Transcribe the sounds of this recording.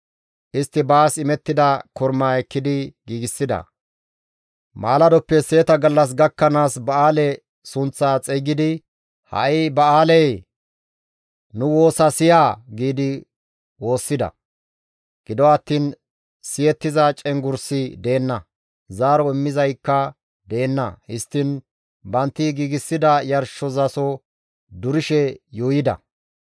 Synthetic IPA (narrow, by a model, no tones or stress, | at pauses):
ʔɪst̪ːɪbaːsɪmɛt̪ːɪd̪ɐkɔɾmaːɛkːɪd̪ɪɡiːɡɪsːɪd̪ɐ̰ | maːlɐd̪ɔpːɛse̞ːt̪ɐɡɐlːɐs̬ɡɐkːɐnaːsbɐaːlɛ | sʊnt͡sːaːt͡sʼɛɡɪd̪ɪ | hɐ̰ʔɪbɐaːlɛj | nʊwo̞ːsɐsɪjaːɡiːd̪ɪ | wo̞ːsːɪd̪ɐ̰ | ɡ̥ɪd̪ɔɐt̪ːiːn | sɪjɛt̪ːɪzɐt͡ʃʼɛŋɡʊɾsɪd̪e̞ːnːɐ | zaːɾɔɪmːɪzɐjkːɐ | d̪eːnːɐ̰hɪst̪ːɪn | bɐnt̪ːɪɡiːɡɪsːɪd̪ɐjɐɾʃːɔzɐsɔ | d̪ʊɾɪʃɛjuːjɪd̪ɐ̰